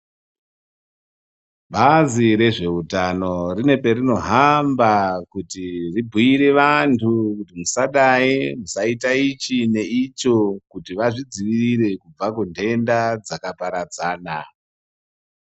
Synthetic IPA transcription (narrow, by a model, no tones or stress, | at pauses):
ɓaziɾe̞ʐe̞utano̞rine̞pe̞rino̞ɦambakutiribʱiiɾe̞ʋantʰukutimusaɗaimusaitait͡ʃine̞it͡ʃo̞kutiʋaʐid͡ziʋiriɾe̞kub͡vakundʱe̞ndad͡zakapaɾad͡zaːna̰